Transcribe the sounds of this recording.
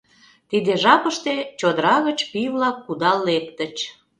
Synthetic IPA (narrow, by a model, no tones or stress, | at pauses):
t̪id̪eʒɑpəʃt̪et͡ɕod̪əɾɑɣət͡ɕpiβlɑkːud̪ɑlekt̪ət͡ɕ